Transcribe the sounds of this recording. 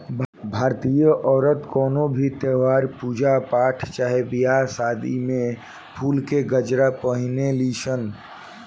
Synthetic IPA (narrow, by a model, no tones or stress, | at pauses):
bʱaːɾt̪ijəʔɔːɾət̪kɔːnobʱit̪eːʋaːɾpuːd͡ʒapaːʈʰt͡ʃaːɦebijasaːd̪ḭmẽ | pʰuːlkeɡəd͡ʒɾapəɦɪnelisən